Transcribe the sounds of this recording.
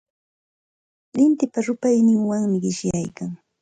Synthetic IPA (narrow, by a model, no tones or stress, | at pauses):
lɪnt̪ɪpaɾʊpajnɪŋwaŋmɪɢɪʃjajkaŋ